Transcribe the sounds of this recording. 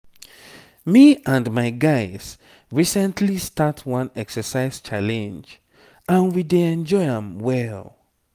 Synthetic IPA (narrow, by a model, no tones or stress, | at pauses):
miãndmaɪɡaɪz̥ | ɹisɛ̃ntʰlistatʰwʌ̃nɛksəsaɪz̥t͡ʃalɛ̃nd͡ʒ | ãnwideɛ̃nd͡ʒɔɪə̃mwɛl